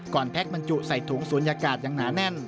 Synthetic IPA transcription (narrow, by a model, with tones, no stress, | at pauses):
kɔː˨˩npʰɛ˦˥k̚ba˧nt͡ɕu˧˩ʔsa˨˩jt̪ʰu˩˦ŋsuː˩˦ənjaː˧kaː˨˩t̪̚jaː˨˧˩ŋnaː˩˦˥nɛ˧˩n